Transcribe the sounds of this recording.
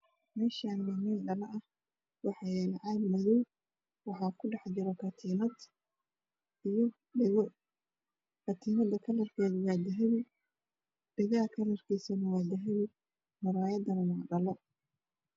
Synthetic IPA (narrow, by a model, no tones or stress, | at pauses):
mɛːʃanmɐmɛɖɐlɐʔɐh | wɑħɑjɛnʕɑːd̪mɐðuw | wɑħɑːkʰʊɖɑħt͡ʃɪɾɛkʰɐt̪ʰiːnɐd̪ | ijɔ | ɣ | kʰɐt̪ʰiːnɐd̪ɐkʰɐlɐrkʰɛːðwaːd̪ɐɦɐβɪ | ɖɪɣɐkʰɐlɐrkʰiːsɐnɐwaːd̪ɐɦɐβɪ | mɐɾaːjɐd̪ɐnɐwaːɖɐlɐ